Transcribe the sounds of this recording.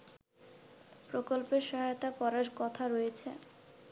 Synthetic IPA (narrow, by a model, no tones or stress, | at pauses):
pɾokolpeɾʃɔɦajot̪apɔɾaɾkɔt̪ʰaɾojet͡ɕʰḛ